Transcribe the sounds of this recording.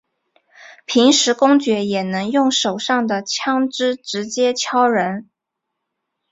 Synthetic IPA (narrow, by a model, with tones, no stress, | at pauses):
pʰi˧˥ŋʂɻ̩˧˥kʊ˥ŋt͡ɕɥɛ˧˥jɛ˨˩nɤ˧˥ŋjʊ˥˩ŋʂo˨˩ʊʂɑ˥˩ŋd̪ə˨t͡ɕʰjɑ˥ŋʈ͡ʂɻ̩˥ʈ͡ʂɻ̩˧˥t͡ɕjɛ˥t͡ɕʰjɑ˥ʊɻə˧˥n